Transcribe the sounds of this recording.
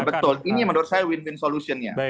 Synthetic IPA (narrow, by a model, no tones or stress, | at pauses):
bət̪ʊlinijaŋməndoarsajawɪnwɪnsolusiɔnɲa̰